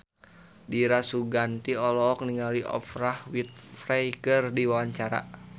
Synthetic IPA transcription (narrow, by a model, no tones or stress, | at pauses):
diɾasuɡant̪iɔlɔk̚niŋaliʔɔ̰fɾahwit̪̚frɛjkərdiwawaɲt͡ʃaɾa̰